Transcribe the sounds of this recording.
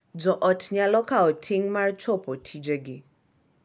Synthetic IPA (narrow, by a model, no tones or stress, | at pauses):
d͡zɔʔɔtʰɲalɔkaɔtʰiŋmart͡ʃʰɔpʰɔtʰid͡ʒɛɡɪ